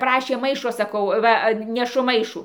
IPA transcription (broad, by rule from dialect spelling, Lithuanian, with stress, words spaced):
ˈprɑːʃʲeː ˈmɐɪʃoː sɐˈkɐʊ ˈʋɐ nʲɛˈʃʊ ˈmɐɪʃuː